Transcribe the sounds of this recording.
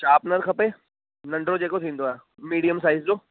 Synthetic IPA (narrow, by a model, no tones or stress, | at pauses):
t͡ʃaːpnɐɾkʰɐpeː | nɐɳɖɾod͡ʒeːkot̪ʰĩːnd̪oaː | miːɽijəmsaːɪzd͡ʒoː